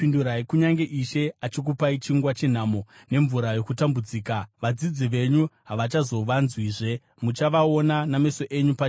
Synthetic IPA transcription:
pinduɾaikuɲaŋɡe̞ʔiʃe̞at͡ʃik̬upait͡ʃiŋɡwat͡ʃe̞n̤aːmo̞ | ne̞ɱvuɾajo̞kutambud͡ziːkaʋad͡zid͡ziʋe̞ɲuɦaʋat͡ʃazo̞ʋanzwiːʐe̞ | mut͡ʃaʋao̞nanameso̞ʔe̞ɲupa

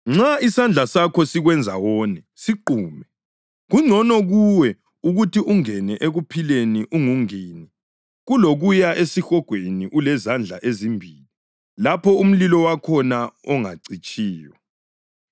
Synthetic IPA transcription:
ŋ͡ǁaisand͡ɮʱasakʰɔsiɣwɛnd͡zʱawɔːnɛ | siǃuːmɛ | ɣuŋ͡ǀʱɔnɔɣuwɛ | uɣutiʔuŋɛnɛʔeɣupʰileniʔuŋuŋiːni | ɣuloɣujaʔesixɔɡ̥ʱweniʔulɛzand͡ɮʱa̰ʔezimbʱiːli | lapʰɔum̩lilɔwakʰɔnaɔŋa̰ǀit͡ʃʼiːjɔ

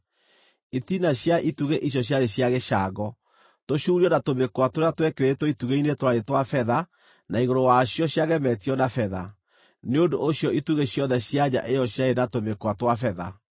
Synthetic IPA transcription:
itinaɕjaʔituɣeʔiɕ̬jɔɕjaɾeɕjaɣeʃaɡɔ | toɕuːɾiɔnatomekowatoɾeatwɛkeɾetwɔituɣeinetoɾaɾetwafɛða | naiɣoɾowaɕjɔɕjaɣɛmɛtiɔnafɛða̰ | neodoʔoɕjɔituɣeɕjɔnðɛɕjaɲa̰ʔejɔɕjaenatomekowatwafɛða̰

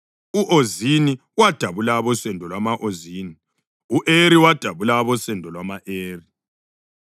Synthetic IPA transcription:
uʔozini | wad̥ʱaβulaβɔsɛndʱɔlwamaʔoziːni | uʔeɾiwad̥ʱaβulaβɔsɛndʱɔlwamaʔeːri

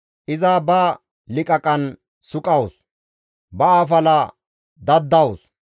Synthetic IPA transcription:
ʔɪzabɐ | lɪkʼɐkʼɐn | sʊkʼɐwʊs | bɐafɐlɐ | d̪ɐd̪ːɐwʊs

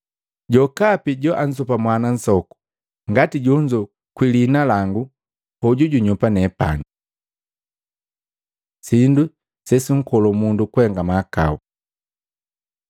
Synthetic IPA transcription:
ɟɔkapiɟɔʔan̩s̬upamwanan̩sɔku̥ | ŋɡatiɟuɲd͡ʒɔ | kwilinalaŋɡu | hɔɟuɟuɲupanɛpa̰ni | sindu | sɛsiŋ̩kɔlɔmundukuhɛŋɡamaka̰u

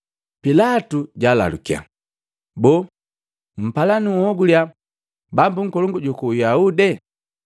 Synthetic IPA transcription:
pilatuɟala̰lṵkia̰ | bɔ | m̩palaniɔɡulja | bambuŋ̩kɔlɔŋɡuɟukuːjaudɛ

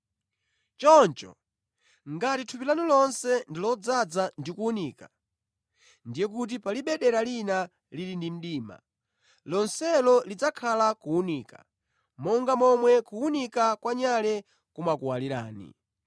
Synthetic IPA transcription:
t͡ʃɔnt͡ʃɔ̰ | ŋɡatitʰupilanilɔnsɛndilɔd͡zad͡zandikuuniːka | ndijɛk̬ut̬ipaliɓɛɗɛɾalina | lilindim̩ɗiːma̰ | lɔnsɛlɔlid͡zakʰalakuuniːka̰ | mɔŋɡamɔmwɛkuunikakwaɲalɛ | kumakuwaliɾa̰ːnḭ

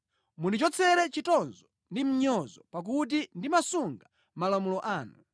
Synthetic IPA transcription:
munit͡ʃɔt͡sʰɛɾɛt͡ʃitɔnzɔ | ndim̩ɲɔzɔpak̬ut̬indimasuŋɡa | malamulɔʔaːnu

